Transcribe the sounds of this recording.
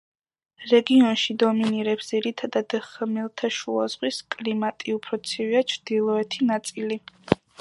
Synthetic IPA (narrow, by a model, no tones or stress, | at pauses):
ɾɛɡiɔnʃid̪ɔminiɾɛpsd̪ziɾit̪ʰad̪ad̪χmilˠt̪ʰaʃua̰z̥ʁwiskʼlimat̪ʼiupʰɾɔt̪sʰiviat͡ʃʰɾd̪̥ilˠɔɛt̪ʰinat̪sʼili